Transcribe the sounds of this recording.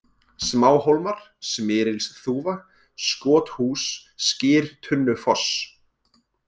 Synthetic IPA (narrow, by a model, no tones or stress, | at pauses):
smaːwhowlmaɾ̥ | smɪːɾɪlsθuːva | skɔːt̪huːsːcɪːɾ̥t̪ʰʏnːʏfɔs